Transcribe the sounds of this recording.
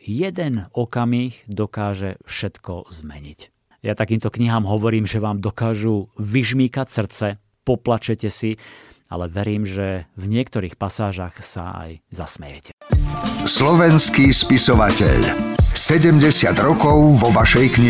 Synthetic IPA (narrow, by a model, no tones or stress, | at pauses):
jɛd̪ɛnɔkamiːɣd̪ɔkaːʒɛfʃɛt̪kɔzmɛɲḭc | jat̪akiːmt̪ɔkɲiɦaːmɦɔʋɔɾiːmʒɛʋaːmd̪ɔkaːʒuʋiʒmiːkacsr̩t͡sɛ | pɔplat͡ʃɛcɛsia̰lɛʋɛɾiːmʒɛvɲɪɛkt̪ɔɾiːxpasaːʒaxsa̰a̰jzasmɛjɛ̰cʰɛ | slɔʋɛnskiːspisɔʋacɛ̰ʎsɛɟɛmɟɛsɪad̪ɾɔkɔʊʋɔʋaʃɛjkɲi